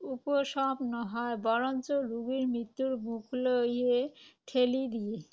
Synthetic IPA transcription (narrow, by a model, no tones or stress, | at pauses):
upoʃɔpnɔɦɔebɔɾont͡ɕoɾuɡiɾmɾit̪ːuɾmukʰlojeʈʰelid̪ie